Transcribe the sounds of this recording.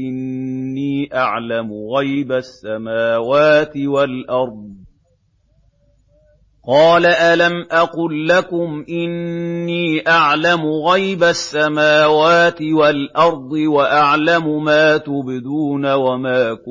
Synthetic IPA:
ɪnːiːʔaʕlamʊɣajbasːamaːwaːt̪ɪwalʔɑɾˤd̪̚ˤ | qɑːlaʔalamʔɑqʊlːakʊmʔɪnːiːʔaʕlamʊɣajbasːamaːwaːt̪ɪwalʔɑɾˤd̪ˤɨwaʔaʕlamʊmaːt̪ʊbɪd̪uːnawamaːkʊ

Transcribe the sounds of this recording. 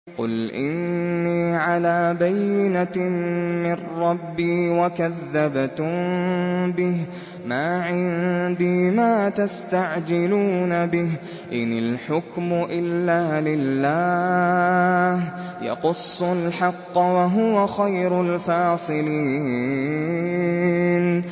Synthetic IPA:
qʊ̰lʔɪ̰nːiːʕalaːbajːɪna | mɪnɾɑbːiːwakaðːabt̪m | bɪh | maːʕɪnd̪iːmaːt̪ast̪aʕd͡ʒɪluːnabɪh | ʔɪnɪlħʊkmʊʔɪlːaːlɪlːaː | hjɑ̰qʊsˤːʊlħɑqːwaɦʊwaxajɾʊlfɑːsˤɨliː | n

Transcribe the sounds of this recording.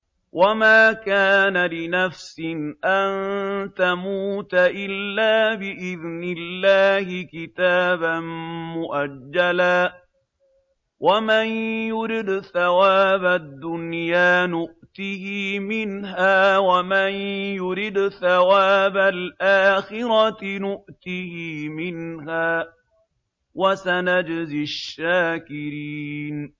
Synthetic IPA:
wʔamaːkaːnalɪnafsɪnʔant̪amuːt̪aʔɪlːaːbɪʔɪðnɪlːaːhɪkɪt̪aːbanmʊʔad͡ʒːalaː | wʔamanjʊɾɪd̪θawaːbad̪ːʊnjaːnʊʔt̪ɪhiːmɪnɦaːwamanjʊɾɪd̪θawaːbalʔaːxɪɾɑnʊʔt̪ɪhimɪnɦaː | wasanad͡ʒzɪaʃːaːkɪɾiːn

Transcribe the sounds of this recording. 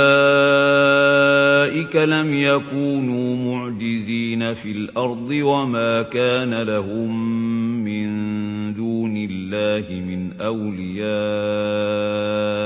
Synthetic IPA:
a | ʔɪkalamjakuːnuːmʊʕd͡ʒɪziːnafiːlʔɑɾˤd̪ˤɨwamaːkaːnalahʊmː | ɪnd̪uːnɪlːaːhɪmɪnʔawlɪjaː

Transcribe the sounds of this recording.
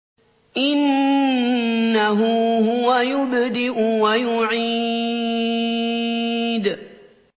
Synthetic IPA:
ʔɪn | aɦʊɦʊwajʊbd̪ɪʔʊwajʊʕi | d̪

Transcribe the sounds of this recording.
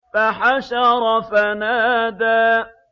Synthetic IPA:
faħaʃɑɾˤɑfanaːd̪aː

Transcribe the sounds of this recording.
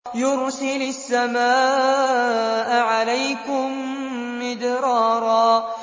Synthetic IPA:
jʊɾsɪlʊsːamaːʔ | ʔaʕalajkʊmː | ɪd̪ɾɑːɾˤɑː

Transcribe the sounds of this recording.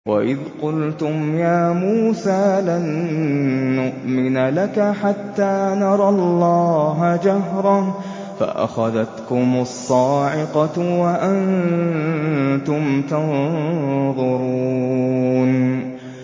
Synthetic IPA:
wa̰ʔɪðqʊlt̪ʊmjaːmuːsaːlanː | ʊʔmɪnalakaħat̪ːaːnɑɾˤɑlːɑːɦad͡ʒaɦɾˤɑ | fa̰ʔa̰xaðat̪kʊmʊsˤːɑːʕɪqɑwaʔan | t̪ʊmt̪ɑn | ðˤʊɾuːn

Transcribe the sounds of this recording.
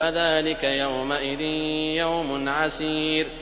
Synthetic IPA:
aðaːlɪkajawmaʔɪðɪnjawmʊnʕasiːɾ

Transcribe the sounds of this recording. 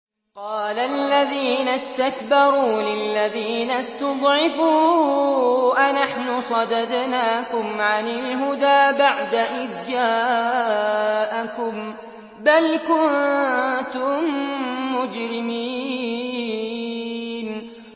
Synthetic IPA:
qɑːlalːaðiːnast̪akbɑɾˤuːlɪlːaðiːnast̪ɑd̪ˤʕɪfuː | ʔanaħnʊsˤɑd̪ɑd̪naːkʊmʕanɪlɦʊd̪aːbaʕd̪aʔɪðd͡ʒaː | ʔakʊm | balkʊnt̪ʊmː | ʊd͡ʒɾɪmiː | n

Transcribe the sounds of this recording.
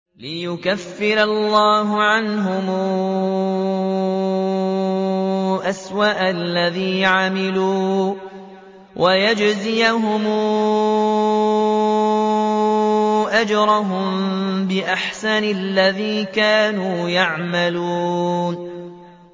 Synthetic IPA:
lɪjʊkafːɪɾalːaːɦʊʕanɦʊmu | ʔaswaʔalːaðiːʕamɪluː | wʔajad͡ʒzɪjaɦʊmuː | ʔad͡ʒɾˤɑɦʊmbɪʔaħsanɪlːaðiːkaːnuːjaʕmalun

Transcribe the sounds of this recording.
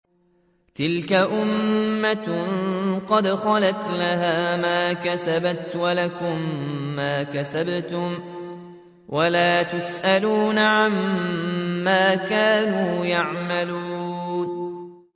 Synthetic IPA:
t̪ɪlkaʔʊmːa | qɑd̪xɑlat̪lahaːmaːkasabat̪walakʊmːaːkasabt̪ʊm | wʔalaːt̪ʊsʔaluːnaʕamː | aːkaːnuːjaʕmaluːun

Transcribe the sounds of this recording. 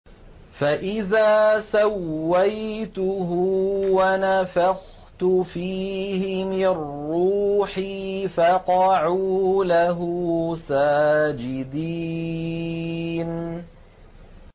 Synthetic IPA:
faʔɪðaːsawːajt̪ʊɦʊwanafax | t̪ʊfiːhɪmɪnːuːħifɑqɑʕuːlaɦʊsaːd͡ʒɪd̪iː | n

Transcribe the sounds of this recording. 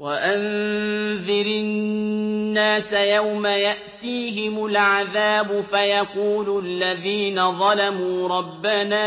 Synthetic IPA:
waʔan | ðɪɾɪnːaːsajawmajaʔt̪iːɦɪmʊlʕaðaːbʊfajaquːlʊlːaðiːnaðˤɑlamuːɾˤɑbːanaː

